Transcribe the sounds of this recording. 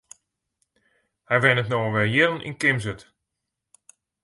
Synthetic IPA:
hɛjʋɛnətnoːəʋɛlˠjɪlˠənʔḭnkɪmzət

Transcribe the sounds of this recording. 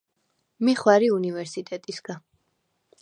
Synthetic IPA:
miχwaɾiunivɛɾsit̪ʼɛt̪ʼisɡa

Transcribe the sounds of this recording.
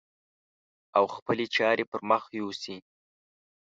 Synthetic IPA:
awxpəlet͡ʃɑɾepəɾməxjusi

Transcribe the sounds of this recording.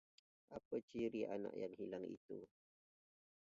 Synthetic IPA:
ʔapət͡ʃiɾia̰na̰ʔjaŋhilaŋḭt̪u

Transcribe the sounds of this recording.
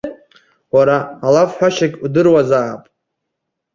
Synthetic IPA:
waɾaːlafħʷᶣaʃakʲʼudɨrwazaːpʼ

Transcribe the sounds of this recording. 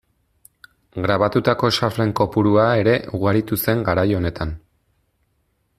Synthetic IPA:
ɡɾaβat̪ut̪ako̞ʃafle̞ŋko̞puɾuae̞ɾe̞ʔuɣ̞aɾit̪use̞ŋɡaɾajo̞ne̞t̪an

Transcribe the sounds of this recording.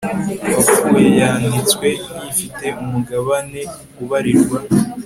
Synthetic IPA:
βafujejaːndit͡swe̞nifite̞umuɡaβane̞kuβaɾiɾɡwa

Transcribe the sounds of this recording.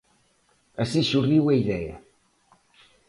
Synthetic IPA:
ɐsiʃuriwɐiðɛɐ̰

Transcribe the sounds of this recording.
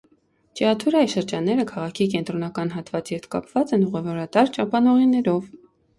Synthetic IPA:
t͡ʃɛɑt̪ʰuɾɑjʃəɾd͡ʒɑnːɛɾəkʰɑʁɑkʰikɛnt̪ɾɔnɑkɑnɦɑt̪vɑt͡sjɛɾt̪ʰkɑ̰pvɑt͡sɛnuʁɛvɔɾɑt̪ɑɾt͡ʃɑpɑnɔʁinɛɾɔv

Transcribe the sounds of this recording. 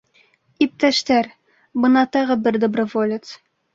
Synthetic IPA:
ip̚t̪æʃt̪æɾ | bɤ̆nɑt̪ɑʁɤbɘɾd̪obrɤ̆volʲɪt̪s

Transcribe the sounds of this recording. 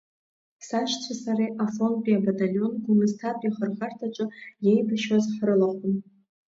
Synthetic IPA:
saʃt͡sʷʰasaɾiʔafonpʼiabatʼaljo̞nɡumɨztʰatʼjaχərχartʰat͡ʃʼɨjejbaʃwazħrɨlaχʷʊm

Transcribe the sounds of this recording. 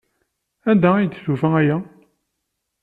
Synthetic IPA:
ænd̪æijt̪ːθufææjæ

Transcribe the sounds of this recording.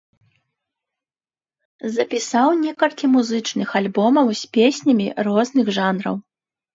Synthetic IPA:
zɐpʲisawnʲɛkɐlʲkʲimuzɨt͡ʂnɨxalʲbɔmɐwsʲpʲesʲnʲɐmʲirɔznɨɣʐanɾɐ̰w

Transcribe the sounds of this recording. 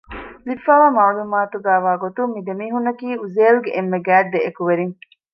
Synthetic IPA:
lifːaːʋaːmaʕlumaːt̪uɡæːʋaːɡot̪ummːid̪emiːɦunːɐkiːuzeːluɡeʔemːeɡæːɖ̚d̪eʔekuʋeɾiŋ

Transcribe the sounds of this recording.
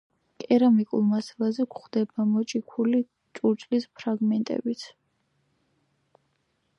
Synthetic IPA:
kʼɛɾamikʼṵlˠmasalˠazɛkχd̪ɛbamɔt͡ʃʼikʰuli | t͡ʃʼuɾt͡ʃʼlispʰɾaɡmɛnt̪ʼɛ̰bit̪sʰ

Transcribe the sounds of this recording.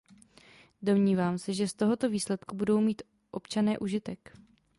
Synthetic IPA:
do̞mɲiːvaːmsɛʒɛst̪o̞ɦo̞t̪o̞viːslɛt̪kubudo̞wmiːt̪ | ʔo̞pt͡ʃanɛːʔuʒɪt̪ɛk

